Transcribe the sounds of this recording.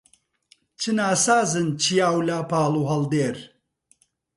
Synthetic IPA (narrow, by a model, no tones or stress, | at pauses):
t͡ʃʰɨnaːsaːzɨnt͡ʃʰijaːwlaːpʰaːlˠuɦɐld̪eːɾ